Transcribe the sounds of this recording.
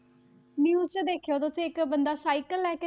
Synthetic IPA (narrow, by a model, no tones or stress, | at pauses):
njuːzt͡ʃəd̪eːkʰejoːt̪ʊsĩːɪkbənd̪aːsaːikəlɛːke